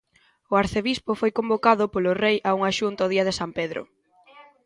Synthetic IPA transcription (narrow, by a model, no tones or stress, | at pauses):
ʊaɾθeβispʊfojkombokaðʊpolʊrejʔauŋaʃunt̪ɔðiɐð̞ɪsampeðɾʊ̰